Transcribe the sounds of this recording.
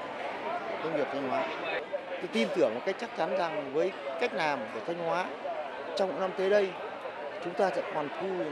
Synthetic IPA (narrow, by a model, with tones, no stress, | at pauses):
kə˧wŋ͡mvi˨˩ət̪ʰa˧jŋ̟hwaː˨˦˧ | t̪i˧mt̪ɨ˧˩əŋm̚˨˩kjk̚t͡ɕa˦˥k̚t͡ɕa˨˦nza˨˩ŋvəː˨˦jka˦˥jk̟̚naː˨˩mku˧˩ət̪ʰa˧jŋ̟hwaː˨˦ | t͡ɕɔ˧wŋ͡mkṵ˧˥na˧mt̪e˨˦ɗə˧j | t͡ɕʊ˨˦ŋ͡mt̪aː˧sɛ̰˧˥kɔ˨˩nt̪ʰu˧